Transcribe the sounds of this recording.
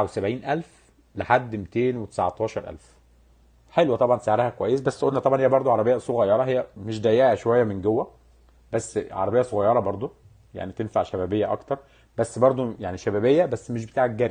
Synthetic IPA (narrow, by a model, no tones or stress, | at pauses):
wsæbʕiːnʔælf | leħad̪ːmit̪eːnwet̪e̥saʕt̪ˤɑːʃɑɾˤʔæ̰lf | ħelwæt̪ˤɑbʕɑnt̪saʕɾæhækowæjːesbæsːʔolnːæt̪ˤɑbʕɑnhejːæbɑɾˤd̪ˤoʕɑɾˤɑbejːæsˤoɣæjːɑɾˤɑɦejːæmeʃd̪æjːeʕæʃowæjːæmenɡowːæ | bæsːʕɑ̰ɾˤɑbejːɑsˤoɣɑjːɑɾˤɑbɑɾˤd̪ˤo | ja̰ʕnit̪enfaʕʃæbæːbejːæʔɑ̰kt̪ɑɾˤ | bæsːbɑɾˤd̪ˤojaʕniʃæbæːbejːæbæsːmeʃ̬bet̪aːʕæk̚ɡæːɾi